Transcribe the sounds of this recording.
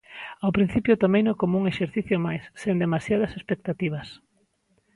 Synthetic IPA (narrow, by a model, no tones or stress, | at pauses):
awpɾin̟θipjʊt̪omejnokomouŋeʃeɾθiθjomajsːend̪emasjað̞ɐsespek̚t̪at̪iβ̞ɐs